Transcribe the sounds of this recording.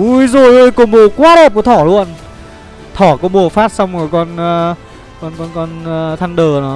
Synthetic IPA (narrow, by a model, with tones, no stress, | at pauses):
ʔu˧jzo˨˩jʔəː˧jkmɓo˨˩kwaː˧ɗɛ˨˩p̚kɔ˨˦t̪ʰɔ˧˩˦lu˧ən | t̪ʰɔ˧˩kɔ˨˦ɓo˨˩faː˦˥t̚sa˧wŋ͡mɔ˨˩kɔ˧nː˧ | kɔ˧nkɔ˧nkɔ˧nː˧t̪ʰa˧nɗəː˨˩nɔ˨˦